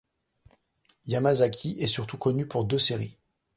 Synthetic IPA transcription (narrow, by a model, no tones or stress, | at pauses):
jamazakʰʲiʔɛsyʁt̪ukɔnypuʁd̪øseʁi